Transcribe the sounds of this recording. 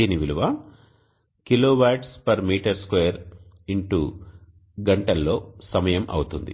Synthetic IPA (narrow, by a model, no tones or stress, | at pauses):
iniʋiluʋɐ | kiloːʋaːʈspɐɾmiːʈɐɾskʋejɐɾ | iɳʈuː | ɡɐɳʈɐlːo̞ːsɐmɐjɐmʔɐ̰wut̪und̪ḭ